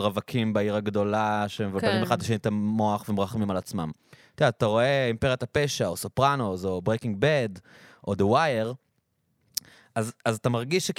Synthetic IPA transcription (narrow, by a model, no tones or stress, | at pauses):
ʁavakʰimbaiʁaɡd̪o̞laʃemevalbaʁimeχad̪laʃenit̪amːo̞aχvemʁaχmimalat͡sma̰mt̪iaat̪aʁo̞eimpeʁijot̪apeʃaosopʁanozo̞bʁekiŋɡ̚bed | ʔod̪ewajeʁ | azazatamaʁɡiʃːek